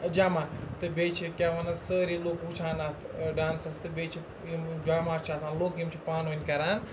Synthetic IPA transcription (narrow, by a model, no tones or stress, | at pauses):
d͡ʒaːmaːt̪ɨbeːt͡ʃʰikʲaːʋɐnɐsəːɾiloːkut͡ʃʰaːnɐt̪ɖaːnsɐst̪ɨbeːt͡ʃʰi | id͡ʒaːmaːt͡ʃʰaːsãːnloːkimt͡ʃʰipaːnoːnʲkɐɾaːn